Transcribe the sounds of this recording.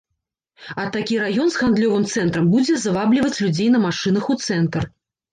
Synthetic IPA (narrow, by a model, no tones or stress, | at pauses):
ɐt̪akʲiɾajɔnzɣand̪lʲɔvɨmt̪sɛnt̪ɾɐmbud͡zʲɛzavablʲivɐt͡sʲlʲud͡zʲejnɐmaʂɨnɐxut̪sɛnt̪r